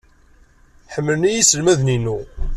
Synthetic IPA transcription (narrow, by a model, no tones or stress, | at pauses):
ħəmːəlnijisəlmæðninu